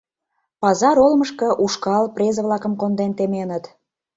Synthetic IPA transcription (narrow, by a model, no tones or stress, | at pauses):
pɑzɑɾolməʃkɤ̆ʔuʃkɑlprʲezəβlɑkə̆mkond̪ent̪emenət̪